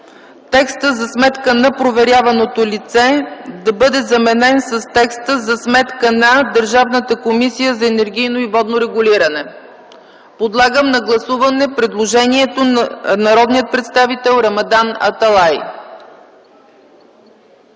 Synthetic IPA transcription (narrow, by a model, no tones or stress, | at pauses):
t̪ɛkst̪əzɐsmɛt̪kənɐpɾovɛɾjavɐnot̪olʲit̪sɛd̪ɐbɤd̪ɛzɐmɛnɛnsəst̪ɛkst̪əzɐsmɛt̪kənɐd̪əɾʒavnət̪əkomisijəzɐɛnɛɾɡ̟ʲijnoivɔd̪noɾɛɡʊliɾənɛ | pod̪lˠaɡəmnɐɡlˠɐsuvɐnɛpɾɛd̪lˠoʒɛniɛt̪onɐɾɔd̪nijət̪̚pɾɛt̪st̪avit̪ɛlˠɾɐmɐd̪anɐ̰t̪ɐlˠaj